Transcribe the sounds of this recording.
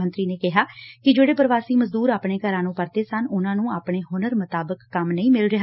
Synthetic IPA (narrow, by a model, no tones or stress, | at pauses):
ənt̪ɾiːneːkɪɦaːkɪd͡ʒeːɽeːpəɾəʋaːsiːməzd̪uːɾaːpɳeːkəɾãːnũːpəɾt̪eːsənʊnãːnũːaːpɳeːɦʊnəɾmʊt̪aːbəkːəmnəĩːmɪlɾɪɦa